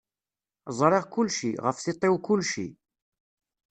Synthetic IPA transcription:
zˤɾˤeʁkʊlʃḭʁəfθɪt̪ˤːɪwkʊlːʃḭ

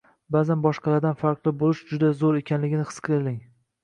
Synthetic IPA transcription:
baːzanbɒʃqʰɑlˠaɾd̪anfaɾqlˠɪbolɪʃd͡ʒʊd̪azoɾe̞kʲʰanlɪɡʲɪnɪχʰɨ̥sqʰɨɾlɪŋ

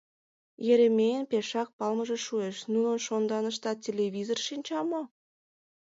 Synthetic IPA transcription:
jeɾĕmʲejənpeʃɑk̚pɑlməʒeʃueʃnunənʃond̪ɑnəʃt̪ɑt̚ʲːelʲeβʲizorʃinʲt͡ɕɑmo

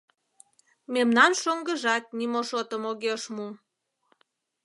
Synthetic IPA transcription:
memnɑnʃoŋɡəʒɑt̪̚nimoʃot̪əmoɣeʃmu

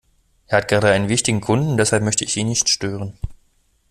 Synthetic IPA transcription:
ʔeːɐhatɡ̥ʁaːdɾəaɪnənvɪçtɪɡŋ̩kʰʊndn̩ʊnd̥ɛshalpmœçtəɪçʔiːnɪçtʃtøːʁ̞ən

